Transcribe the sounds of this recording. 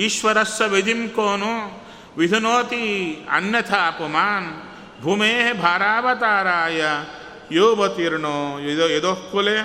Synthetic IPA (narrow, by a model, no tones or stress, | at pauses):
iʃʋɐɾɐsːɐʋed͡ʒ̪imkoːnu | ʋid̪ʱunoːt̪iɐ̰njɐt̪ʰaːpumaːn | bʱumeːɦebʱaːɾaːbɐt̪aːɾaːjɐ | joːbɐt̪iɾɳoːed̪okːule